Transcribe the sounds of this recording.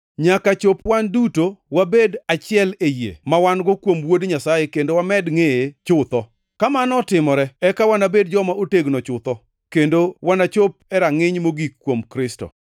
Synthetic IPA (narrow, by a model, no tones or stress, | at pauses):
ɲakat͡ʃopwandutowabedat͡ʃɪɛlejḛmawanɡɔkwomwodɲasajekendowamɛdŋeet͡ʃʊt̪ɔ | kamanɔtɪmɔɾɛɛkawanabedd͡ʒɔmaoteɡnɔt͡ʃʊt̪ɔ | kendowanat͡ʃop̚ɛɾaŋɪɲmoɡikːwomkɾɪsto̰